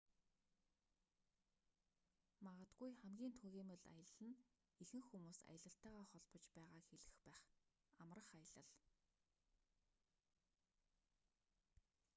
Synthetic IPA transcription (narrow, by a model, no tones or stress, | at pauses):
maʁə̆t̪ɡujχæmɡʲiːnt̪ʰuɣʲiːmə̆ɮa̰jə̆ɮɘ̆n | exɘ̆ŋxumuːsa̰jə̆ɮə̆ɬt̪æːʁaːχɔɮpɞ̆t͡ɕpæːʁaːxeɮɘ̆xpæːχ | amrə̆χajə̆ɮə̆ɮ